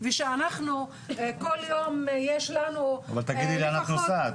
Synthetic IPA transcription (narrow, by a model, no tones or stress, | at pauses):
vɛʃeanaχnu | koljomjeʃlanuavalt̪aɡidileanaχnusat̪